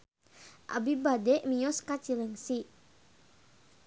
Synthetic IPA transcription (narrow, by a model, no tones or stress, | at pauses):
ʔa̰bibadɛʔmiɔskat͡ʃiləŋsi